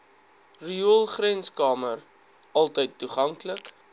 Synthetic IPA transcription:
riulˠχrɛnskɑːmər | ɐlˠtəjtːuχɐŋklək

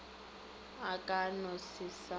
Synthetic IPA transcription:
akʼanɔsɪsa

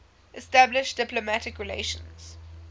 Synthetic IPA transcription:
ʔɛstæblɪʃd̥ɪplomætɪkɹɪlḛɪʃə̰̃nz̥

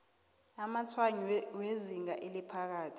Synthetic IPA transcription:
amat͡sʰwaɲiweziŋaʔilipʰak̬aːtʰi̥

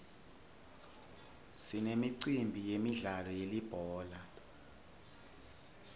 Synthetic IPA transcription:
sinemiǀimbʱijemiɮalɔjelib̥ʱɔːla

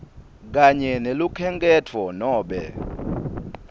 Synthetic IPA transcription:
k̬aɲɛnelukʰɛŋk̬ʼɛtʰɔnɔːɓɛ̰

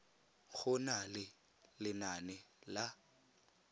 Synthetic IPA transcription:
ɣʊnalɪ | lɪnanɛla

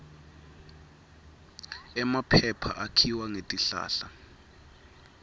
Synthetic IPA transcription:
ɛmapʰɛpʰa̰ʔakʰiwaŋetʼiɬa̰ːɬa

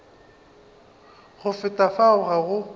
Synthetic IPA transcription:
ɣʊfɪtʼafaʊɣaɣʊ

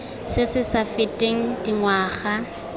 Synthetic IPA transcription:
sɪsɪsafɪtʼeŋ̩diŋwaːχa

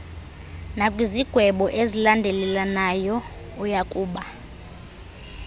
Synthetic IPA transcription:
nakʼwiziɡ̥ʱwɛɓɔʔezilandʱɛlɛlanajɔ | ujakʼuːɓa

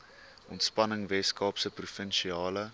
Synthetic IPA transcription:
ʔɔntspɐnəŋvɛskɑːpsəprufənʃiɑːlə

